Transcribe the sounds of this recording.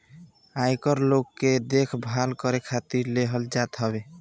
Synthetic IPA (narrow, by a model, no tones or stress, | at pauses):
ajkəɾlokːed̪ekʰbʱalkəɾekʰat̪iɾleɦəld͡ʒat̪ɦɔbe